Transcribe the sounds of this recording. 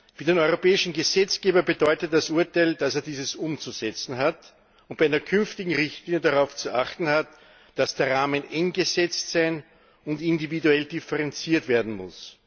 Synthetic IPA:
fyːɐdenɔʏʁopɛːɪʃn̩ɡəzɛt͡sɡ̥eːbɐbədɔʏtət̚d̥asʔʊɐtaɪld̥aseːɐdiːzəsʊmt͡suzɛt͡sn̩ɦat | ʊnt̚b̥æɪæɪnɐkʰʏnftɪɡŋ̩ʁɪçtliːnjədaʁaʊft͡suʔaχtn̩hat | d̥asd̥eːɐʁaːmənɛŋɡəzɛt͡stsaɪn | ʊntɪndividuɛldifəʁɛnt͡siːɐtv̥eːɐdn̩mʊ̰s

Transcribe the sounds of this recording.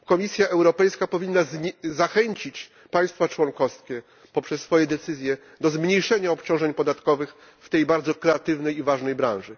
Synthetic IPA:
kɔmʲisʲjaʔɛwɾɔpɛjskapɔvʲinːazzaxɛɲt͡ɕit͡ɕ | paj̃st̪fat͡ʂwɔŋkɔskʲɛ | pɔpʂɛsːfɔjɛd̪ɛt̪sɘzʲjɛ | d̪ɔzmɲejʂɛɲaɔpt͡ɕɔ̃w̃ʐɛɲpɔd̪at̪kɔvɘx | ft̪ɛjbaɾd̪zɔkɾɛat̪ɘvnɛjivaʐnɛjbɾã̰w̃ʐɘ

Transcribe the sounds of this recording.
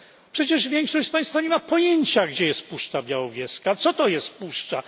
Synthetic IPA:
pʂɛt͡ɕɛʐvʲjɛŋkʂɔɕt͡ɕspãj̃st̪faɲɛmapɔjeɲt͡ɕaɡd͡ʑɛjɛst̪puʂt͡ʂabʲjawɔvʲjɛskat̪sɔt̪ɔjɛst̪puʂt͡ʂa

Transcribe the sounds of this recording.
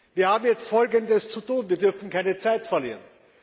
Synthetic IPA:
viːɐhaːbm̩jɛt͡stfɔlɡəndəst͡sutuːnviːɐdʏɐfn̩kʰaɪnət͡saɪtfɛɐlḭːʁən

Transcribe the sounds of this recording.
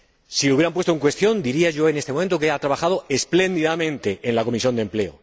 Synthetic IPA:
sileuβjeɾamp̬wet̪oeŋkwe̞st̪jo̞nd̪iɾiaʝo̞e̞nest̪emom̃nt̪ok̬eeat̪ɾaβaxað̞o̞e̞sple̞nd̪iðamẽ̞nt̪e̞ʔenlako̞misjo̞nd̪emple̞o̰

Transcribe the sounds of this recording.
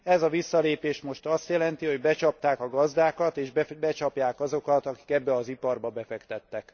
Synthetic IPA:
ɛzɒvisːɒleːpeːʃmo̞ʃt̪ɒst̪jɛlɛnt̪iɦo̞ɟbɛt͡ʃɒp̚t̪aːkɒɡɒzd̪aːkɒt̪eːʒbbɛt͡ʃɒpjaːkɒzo̞kɒt̪ɒki̥kɛbːɛɒzipɒrbɒbɛfɛkt̪ɛt̪ːɛk

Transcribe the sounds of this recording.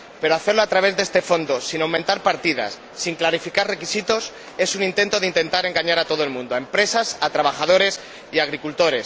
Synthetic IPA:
pe̞ɾoaθe̞ɾloat̪ɾaβ̞e̞zðee̞st̪e̞fo̞nd̪osinawmẽnt̪aɾpaɾt̪iða̰sːiŋklaɾifikarre̞kisit̪o̞s | e̞sunint̪e̞nt̪oðint̪e̞nt̪aɾe̞ŋɡaɲaɾat̪o̞ð̞oe̞lmũnd̪oae̞mpɾe̞sasat̪ɾaβ̞axað̞o̞ɾe̞s | iaɣ̞ɾikult̪o̞ɾe̞s

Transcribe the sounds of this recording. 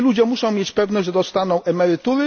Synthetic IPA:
lud͡ʑɛmuʂɔ̃w̃mjet͡ɕpɛvnɔʑʲʐɛd̪ɔst̪anɔ̃w̃ʔɛmɛɾɘt̪uɾɘ

